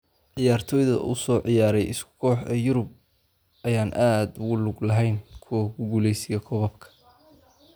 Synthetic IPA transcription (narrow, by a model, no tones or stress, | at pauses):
ʕɪjaːrt̪ʰɔːjðɐ̰ʔʊ̰sɔːʕɪjaːɾɛjɪskʰʊ̥kʰɔːħɐjʊɾʊb̚ | ʔɐjaːnʔaːd̪ʊɣʊlʊɡlɐɦɛjnkʰʊɡʊɡuːlɛjsɪjɐkʰɔβɐb̚kʰɐ̥